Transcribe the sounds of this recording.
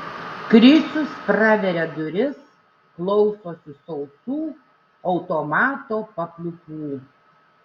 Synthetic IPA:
kɾʲɪsʲʊspɾɑːʋʲɛɾʲɛd̪ʊɾʲɪs | klˠɒʊsoːsʲɪsɔʊt̪uː | ɒʊt̪oːmɑːt̪oːpɐpʲlʲʊkuː

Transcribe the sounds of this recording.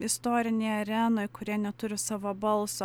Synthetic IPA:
ɪst̪oːɾʲɪnʲɛɪɐɾʲɛnoːɪkʊɾʲiɛnʲɛt̪ʊɾʲɪsɑːʋoːbɐlˠso

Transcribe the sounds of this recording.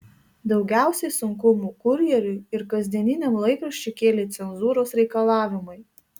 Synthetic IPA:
d̪ɒʊɡʲæˑʊsʲɛɪsʊŋkʊmuːkʊɾʲjɛɾʲʊɪɾkɐzʲd̪ʲiɛnʲɪnʲɛmlˠɐɪkɾɐʃʲt͡ʃʲʊkʲeːlʲet̪sʲɛnzuːɾoːsɾʲɛɪkɐlˠɑːʋʲɪmʊɪ

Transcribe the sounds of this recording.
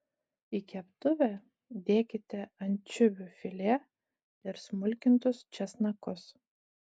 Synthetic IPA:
ikʲɛpt̪ʊʋʲɛ | d̪ʲeːkʲɪt̪ʲɛɐnʲt͡ʃʲʊbʲʊfʲɪlʲeː | ɪɾsmʊlʲkʲɪnt̪ʊst͡ʃʲɛsnɐkʊs

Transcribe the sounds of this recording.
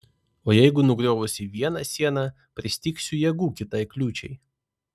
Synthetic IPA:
oːjɛɪɡʊnʊɡɾʲoːʋʊsʲɪʋʲiɛnɐsʲiɛnɐ | pʲɾʲɪsʲt̪ʲiːksʲʊjɛɡuːkʲɪt̪ɐɪklʲuːt͡ʃʲɛ̰ɪ

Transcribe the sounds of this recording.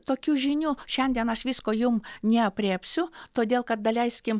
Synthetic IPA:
t̪oːkʲuːʒʲɪnʲuːʃʲɛnʲd̪ʲiɛnɐʃʋʲiːskoːjʊmnʲɛɐpʲɾʲeːpʲsʲʊt̪oːd̪ʲeːlˠkɐt̪̚d̪ɐlʲɛɪsʲkʲɪm

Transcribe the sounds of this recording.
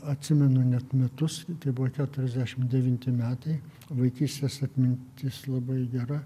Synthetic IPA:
ɐt̪ʲsʲɪmʲɛnʊnʲɛt̪mʲɛt̪ʊst̪ɐɪbʊʋɐkʲæːt̪ʊɾʲɛzʲd̪ʲæʃʲɪmd̪ʲɛʋʲɪnʲt̪ʲɪmʲæːt̪ɐɪ | ʋɐɪkʲiːsʲt̪ʲeːsɐt̪ʲmʲɪnʲt̪ʲɪslˠɐbɐɪɡʲɛɾɐ

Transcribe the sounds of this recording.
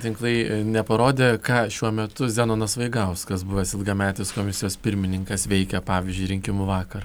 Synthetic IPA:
t̪ʲɪŋklˠɐɪnʲɛpɐɾoːd̪ʲeːkɑːʃʲuɔmʲɛt̪ʊzʲæːnoːnɐsʋɐɪɡɐʊskɐsbʊʋɐsɪlˠɡɐmʲæːt̪ʲɪskoːmʲɪsʲɪjoːspʲɪɾʲmʲɪnʲɪŋkɐsʋʲɛɪkʲɛpɑːʋʲɪzʲd͡ʒʲʊɪɾʲɪŋʲkʲɪmʊʋɑːkɐr

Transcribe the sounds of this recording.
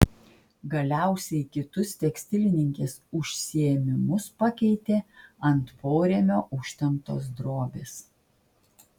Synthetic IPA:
ɡɐlʲæˑʊsʲɛɪkʲɪt̪ʊst̪ʲɛksʲt̪ʲɪlʲɪnʲɪŋʲkʲeːsʊʃʲsʲɪɛmʲɪmʊspɐkʲɛɪt̪ʲeːɐnt̪pʰoːɾʲeːmʲoːʔʊʃʲt̪ʲɛmt̪o̰ːs̬d̪ɾoːbʲeːs

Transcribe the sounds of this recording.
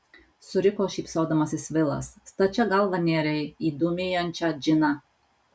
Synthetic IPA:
sʊɾʲɪkoːʃʲiːpsoːd̪ɐmɐsʲɪsʋʲɪlˠɐ̰sːt̪ɐt͡ʃʲɛɡɐlˠʋɐnʲeːɾʲɛɪiːd̪uːmʲeːjɔnʲt͡ʃʲɑd͡ʒʲɪnɐ

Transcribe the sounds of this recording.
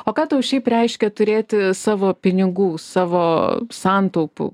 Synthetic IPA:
oːkɑːt̪ɐʊʃʲɛɪprʲɛɪʃʲkʲɛt̪ʊɾʲeːt̪ʲɪsɑːʋoːpʲɪnʲɪɡuːsɑːʋoːsɑːnt̪ɐʊpʊ̰

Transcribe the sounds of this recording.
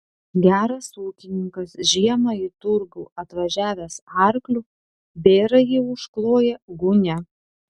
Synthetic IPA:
ɡʲæːɾɐsuːkʲɪnʲɪŋkɐsʒʲiɛmɐit̪ʊɾɡuːɐt̪ʋɐʒʲæːʋʲæsɑˑɾklʲuː | bʲeːɾɐjiʊʃklˠoːjɛɡʊnʲɛ

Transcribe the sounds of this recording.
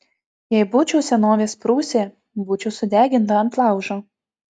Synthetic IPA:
jɛɪbʊt͡ʃʲɛʊsʲɛnoːʋʲeːspɾuːsʲeː | bʊt͡ʃʲʊsʊd̪ʲæːɡʲɪnt̪ɐɐnt̪lˠɑˑʊʒo

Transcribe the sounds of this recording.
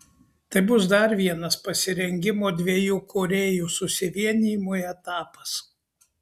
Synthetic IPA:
t̪ɐɪbʊsd̪ɐɾʋʲiɛnɐspɐsʲɪɾʲɛŋʲɡʲɪmoːd̪ʲʋʲiɛjuːkʰoːɾʲeːjuːsʊsʲɪʋʲiɛnʲiːmoːɛt̪ɑːpɐs

